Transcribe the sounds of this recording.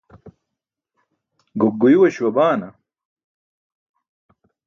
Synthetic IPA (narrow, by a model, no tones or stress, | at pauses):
ɡoɡːujiwɐɕwɐbaːnɐ